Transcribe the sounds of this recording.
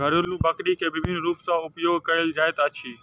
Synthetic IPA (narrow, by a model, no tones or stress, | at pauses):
ɡʱəɾʊlũːbəkɗiːkʰeːbɪbʱɪnɾuːpsãːʊpjoːɡʱkəɾɪld͡ʒaːet̪aːt͡ʃʰiː